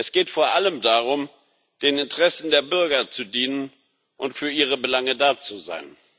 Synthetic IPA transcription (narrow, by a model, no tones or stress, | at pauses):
ʔɛsɡ̥eːtfoːɐʔaləmdaːʁʊm | d̥eːnɪntəʁɛsn̩deːɐbʏɐɡɐt͡sudiːnən | ʔʊntfyːɐʔiːʁ̞əbəlaŋədaːt͡suza̰ɪn